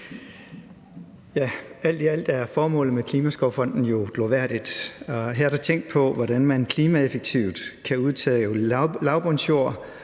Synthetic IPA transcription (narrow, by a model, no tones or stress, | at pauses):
jææl̰d̥iæl̰d̥æɐfɒːmɔ̰̽ːlð̩ˠmekʰliːmæsɡ̥ɒʊfɒ̽n̰d̥n̩jo̝ɡ̥loʋæɐ̰d̥id̥ɦæɐ̰d̥ɑt͡sʰeŋ̰ɡd̥pʰɒ̽ʋɒɾænmænkʰliːmæefeɡ̥̚t͡sʰiʊ̰d̥kʰæuðˠt͡sʰɛ̰ːjolɑ̈ʊb̥ɒnsjo̝ɐ̰